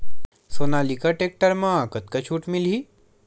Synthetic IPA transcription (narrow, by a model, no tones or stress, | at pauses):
sonalikəʈek̚ʈəɾmãkət̪̚kət͡ʃʰuːʈmilɦi